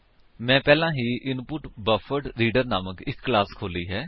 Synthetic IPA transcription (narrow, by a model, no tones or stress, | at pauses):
mɛ̃ːpɛːlãːɦiːʔɪnpʊʈbəfʰəɖɾiːɖəɾnaːməkɪkːlaːskʰoːliːɦɛː